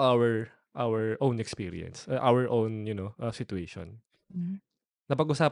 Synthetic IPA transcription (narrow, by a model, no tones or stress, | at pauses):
ʔawɛɹ | ʔawɛɹʔownɛkspiːɾɪ̰ɛ̰nsʔawɛɹʔownjʊnoʔɐsɪt̪ʊeːʃɔ̰n̩ | nɐpɐɡʔʊsaːp